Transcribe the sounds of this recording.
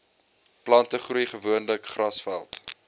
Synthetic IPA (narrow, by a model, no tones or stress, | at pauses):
plɐntəχrujχəvuənləkχrɐsfæ̰lˠt